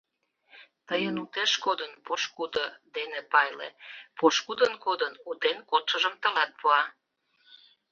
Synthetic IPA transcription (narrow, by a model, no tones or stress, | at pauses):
t̪əjənut̪eʃkod̪ənpoʃkud̪od̪enepɑjlḛpoʃkud̪ənkod̪ənut̪enkot̪ʃəʒəmt̪əlɑt̪̚poɑ